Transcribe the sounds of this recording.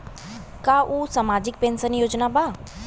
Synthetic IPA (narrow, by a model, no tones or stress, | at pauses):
kaʔuːsamaːd͡ʒɪk̚pẽːnsənjoːd͡ʒnaba